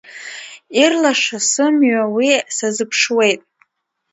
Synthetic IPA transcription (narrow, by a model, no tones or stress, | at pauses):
irlaʂasɨmɥawisazɨpʰʂwe̞jtʼ